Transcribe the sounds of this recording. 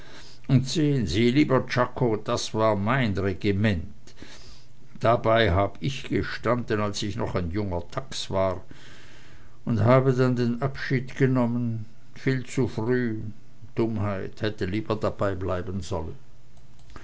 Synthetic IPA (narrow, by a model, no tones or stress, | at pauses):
ʔʊntz̥eːənziːliːbɐt͡ʃakʰod̥asv̥aːɐmaɪnʁeɡimɛnt | d̥abaɪɦaːbəɪçɡ̥əʃtandənalsɪçnɔχaɪnjʊŋɐtʰaksv̥aːʁ | ʊnthaːbədandeːnʔapʃiːtɡ̥ənɔmən | fiːlt͡sufʁyː | d̥ʊmhaɪthɛtəliːbɐdabaɪblaɪbənzɔlən